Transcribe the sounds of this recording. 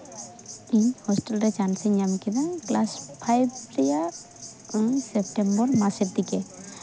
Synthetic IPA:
iɲhɔsʈelɾet͡ʃansiɲamkid̪aŋklaspʰajbɾija | sep̚ʈembɔɾmaseɾt̪ike

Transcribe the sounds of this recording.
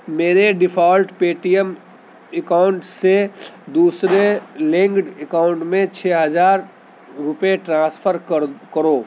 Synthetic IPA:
meːɾeɖɪpʰaːlʈpeːʈijəm | ekaːʊɳʈsed̪uːsɾelẽŋɡɖekaːʊ̃ɳʈmẽt͡ʃʰɛːɦəd͡ʒaːɾ | ɾʊpjeʈɾãːspʰəɾkəɾoː

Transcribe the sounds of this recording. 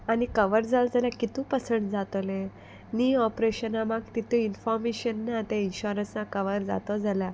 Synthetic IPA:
anikəʋəɾd͡zald͡zaljakit̪ũpəsəɳʈd͡zat̪ɔlẽ | niɔpɾeɕənamaɡt̪it̪ũinfɔɾmeɕənːat̪ẽinɕuɾə̃snakəʋəɾd͡za̰t̪ɔd͡zalja

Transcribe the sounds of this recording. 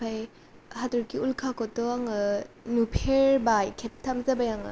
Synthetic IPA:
pʰaj | hatuɾkiulkʰakɔtɔaŋɯnupʰeɾbajkʰep̚tʰamzabajaŋɯ̰

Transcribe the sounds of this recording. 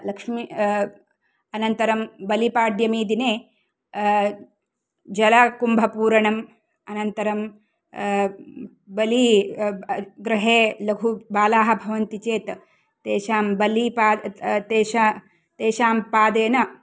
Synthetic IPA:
lɐkʂmi | ɐnɐnt̪ɐɾɐmbɐlipaːɖjɐmiːd̪ineː | d͡ʒɐlɐkumbʱɐpuːɾɐɳɐm | ɐnɐnt̪ɐɾɐm | bɐli | ɡɾɐɦeːlɐɡʱubaːlaːɦɐ̆bʱɐʋɐnt̪it͡ʃeːt̪ | t̪eːʃaːmbɐlipaːt̪eːʃa | t̪eːʃaːmpaːd̪eːnɐ

